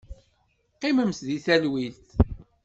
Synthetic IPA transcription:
qːɪməmsðiθælwilt̪

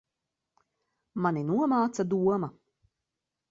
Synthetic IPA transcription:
maninuɔmaːt̪sad̪uɔma

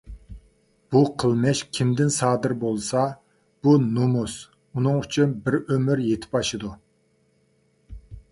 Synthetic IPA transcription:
b̥uqʰəlˠmɛʃkʲʰimd̪ɪnsɑːd̪ɨɾbolˠsɑ | b̥unomus | unɨŋyt͡ʃʰynbɪɾømyɾjet̪ʰɪ̥pbɑʃɨd̪u

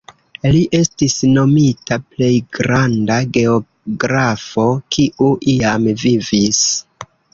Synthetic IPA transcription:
liʔe̞stisno̞mitaple̞jɡɾandaɡe̞o | ɡɾafo̞kʰiʔuʔiamvivis

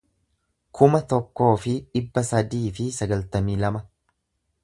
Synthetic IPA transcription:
kʰʊmɐt̪ɔkːo̞ːfɪᶑɪbːɐsɐd̪iːfɪsɐɡɐlt̪ɐmiːlɐmɐ

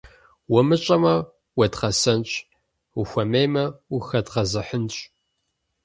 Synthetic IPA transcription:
wɔmɨt͡ʃʼɐmɐ | wɐdqɐsɐnt͡ʃʼ | uxʷɐmeːmɐuxɐdʁɐzɨħənɕʼ

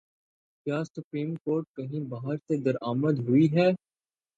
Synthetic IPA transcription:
kjaːsʊpɾiːmkoːɾʈ̚kɐɦĩbaːɦəɾsed̪ɐɾaːməd̪ɦʊiɦɛː

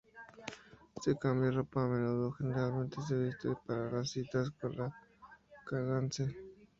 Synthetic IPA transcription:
t̪ekamjaropameɾoðoxeneɾalmẽnt̪es̬eβist̪oipaɾaɾasit̪askoa | kanant͡se

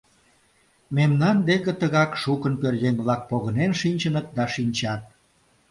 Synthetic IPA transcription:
memnɑnd̪ekə̆t̪əɣɑkʃukənpørjeŋβlɑk̚poɣənenʃinʲt͡ɕənət̪̚d̪ɑʃinʲt͡ɕɑt̪̚

